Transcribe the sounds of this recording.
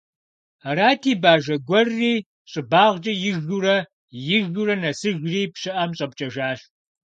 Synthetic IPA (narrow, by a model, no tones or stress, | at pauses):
raːtʰiːbaːʒɐɡʷɔrːiː | ɕʼɪbaːʁd͡ʒʼɐjɪʒuɾɐ | jɪʒurɐnɐsɨʒriːpɕɪʔɐmɕʼɐp̚t͡ʃʼɐʒaːʃ